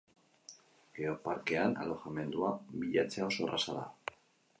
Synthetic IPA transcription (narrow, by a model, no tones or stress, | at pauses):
ɡ̥eopaɾke̞ana̰lo̞xame̞nd̪uaβiʎat͡seao̞so̞rasaða̰